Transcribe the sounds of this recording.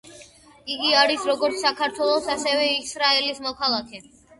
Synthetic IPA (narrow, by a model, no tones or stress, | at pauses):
iɡiaɾisɾɔɡɔɾt̪sʰsakʰaɾt̪ʰwɛlˠɔsasɛvɛisɾaɛlismɔkʰalˠakʰɛ